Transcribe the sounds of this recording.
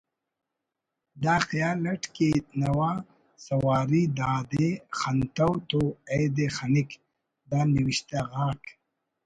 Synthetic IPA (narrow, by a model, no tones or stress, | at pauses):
d̪aːxjaːlɐʈket̪nɐwa | sɐwaːɾid̪aːd̪exɐnt̪ɐwt̪oejd̪exanɪk | d̪aːniwiʃt̪aɣaːk